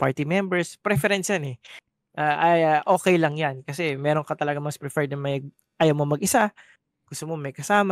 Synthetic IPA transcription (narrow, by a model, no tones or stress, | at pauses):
paɹt̪imɛmbɛɹspɾɛfɛɾɛnsjanɛ | ʔaːʔɐjaʔo̞ːkɛjlɐŋjankɐsɛmɛːɾoŋkɐt̪ɐlɐɡamɐspɾɛfɛɹd̪̚nɐmɐjɡ | ʔaːjɐwmomɐɡʔɪsa | ɡ̥ʊst̪omomɐjkɐsaːma